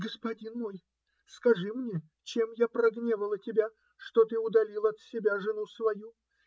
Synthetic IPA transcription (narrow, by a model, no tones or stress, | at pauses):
ɡəspɐdʲinmo̞j | skɐʐɨmnʲe | t͡ɕemjapɾɐɡnʲevəlˠətʲɪbʲa | ʂt̪o̞t̪ɨʊd̪ɐlʲilˠəɐt̪sʲɪbʲaʐɨnusvɐju